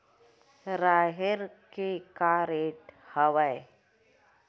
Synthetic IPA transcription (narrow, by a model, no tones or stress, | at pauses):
ɾaɦeɾkekaɾeʈhəʋaj